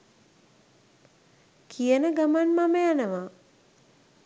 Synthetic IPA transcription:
kʰijənəɡamanmaməjanəʋa

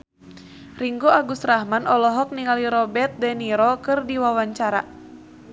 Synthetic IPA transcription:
riŋɡoaɡust̪rahmanʔɔlɔɦɔk̚niŋaliɾɔbɛt̪̚dɛniɾɔkɨrdiwawaɲt͡ʃaɾa̰

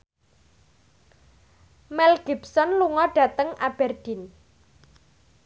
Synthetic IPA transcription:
mɛlɡ̥ibsɔnluŋɔɖ̥ä̤t̪əŋʔab̥ɛrd̥i̤n

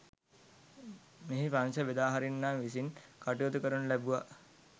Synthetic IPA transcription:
meɦipansəʋed̪aːɦaɾinːaːnʋisinkaʈiʋot̪ukəɾunəlæbuʋa

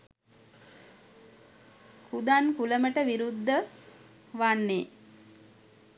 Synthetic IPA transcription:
kʰud̪ankuləməʈəʋiɾud̪ʱːə | ʋanːe

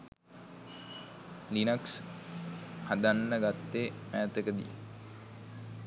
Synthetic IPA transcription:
linaks | had̪anːəɡat̪ːeːmæːt̪əkəd̪ḭj̰

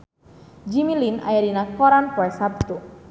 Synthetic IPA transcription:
d͡ʒimilina̰jadinakɔɾanpɔɛsab̚t̪u

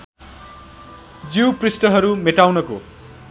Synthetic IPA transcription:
d͡ziwprisʈʌɦʌɾumeʈawnʌko̰

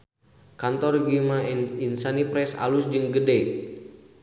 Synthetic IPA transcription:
kant̪ɔrɡimaninsanipɾɛsa̰lusd͡ʒɨŋɡədɛj

